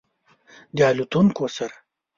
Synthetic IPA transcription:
d̪ɑlut̪uŋkosaɾa

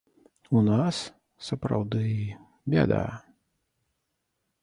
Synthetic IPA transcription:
unas | sɐpɾa̰wd̪ɨ | bʲɛ̰d̪a̰

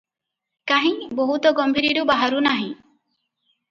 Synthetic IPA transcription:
kaɦĩboɦut̪ɔɡɔmbʱiɾiɾubaɦaɾunaɦĩ

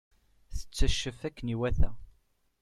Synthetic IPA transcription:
θə̥t͡sːəʃːəfækːəniwæθæ

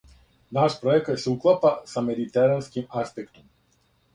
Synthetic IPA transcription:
naʃpɾoɛkt̪sɛuklˠapasamed̪it̪ɛɾanskimaspɛkt̪ɔm

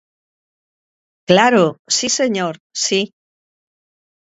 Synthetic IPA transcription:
klaɾosise̞ɲoɾsi

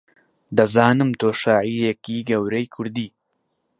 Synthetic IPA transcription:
d̪ɐzaːnɨmt̪ʰoːʃaːʕijɛkiɡɐwɾejkʰʊɾd̪iː

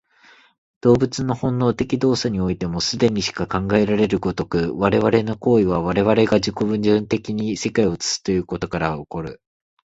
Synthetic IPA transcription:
d̪̥o̞ːbɯ̟t͡sɨno̞hõ̞nːo̞ːt̪e̞kʲid̪o̞ːsaɲ̟io̞it̪e̞mo̞sɨd̪e̞ɲ̟iɕi̥kakãŋɡae̞ɾaɾe̞ɾɯ̟ɡo̞t̪o̞kɯ̟βaɾe̞βaɾe̞no̞ko̞ːiβ̞aβaɾe̞βaɾe̞ɡaʑiko̞βɯ̟̃ɲd͡ʑɨ̃nt̪e̞kʲiɲ̟ise̞kaio̞t͡sɨ̥sɨ̥t̪eɯ̟ko̞t̪o̞kaɾaoko̞ɾɯ̟

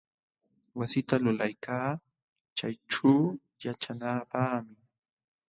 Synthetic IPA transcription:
wasɪt̪alʊlajkʰaː | t͡ʃajʈ͡ʂuː | jat͡ʃanaːpaːmɪ

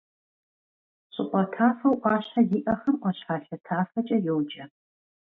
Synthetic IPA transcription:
ɕʼɪʔʷʼɐtʰaːfɐwʔʷɑːɕħaziːʔɐχɐmʔʷɔɕħaːɬɐtʰaːfɐt͡ʃʼɐjowd͡ʒʼɐ

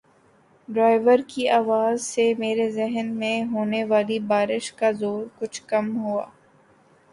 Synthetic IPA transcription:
ɖɾaːɪʋəɾkiaːʋaːzsemeːɾezɛɦnmẽɦoːneʋaːlibaːɾɪʃkazoːɾkʊt͡ʃʰkɐmɦua̰ː

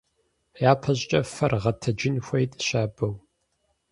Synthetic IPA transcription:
jaːpʰɐʑʼt͡ʃʼɐfɐrʁɐtʰɐd͡ʒɪnxʷɐjtʼʃaːbɐw

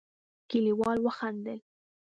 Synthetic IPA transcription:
kiliwɑlwəxand̪əl

